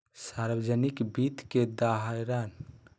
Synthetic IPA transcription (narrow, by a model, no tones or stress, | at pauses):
saɾbəd͡ʒənikbit̪ked̪aɦajɾan